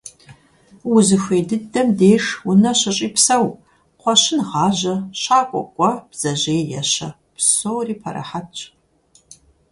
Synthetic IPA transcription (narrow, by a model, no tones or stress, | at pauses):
wʊzɨxʷeːdɨdɐmdeːʂwʊnɐɕɐɕʼiːpsɐw | qʷɔɕɪnʁɑːʑɐɕaːkʷʼɔ̰kʷʼɔb̥z̥ɐʑeːjɛɕɐ | pʰsowriːpʰɐrɐ̰ħat͡ʃʼ